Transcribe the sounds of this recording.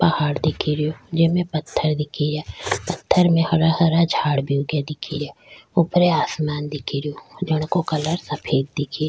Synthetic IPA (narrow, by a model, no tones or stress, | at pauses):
pɐhaːɽd̪ɪkʰiɾijod͡ʒɪmẽpət̪ʰːəɾd̪ɪkʰid͡ʒaːpət̪ʰːəɾmẽhɐɾahəɾad͡ʒʱaːɽbʱiuɡjad̪ɪkʰḭd͡ʒaːʊpɾeaːsmaːnd̪ɪkʰiɾijod͡ʒəɽ̃kokɐləɾsəpʰeːd̪̚d̪ɪkʰi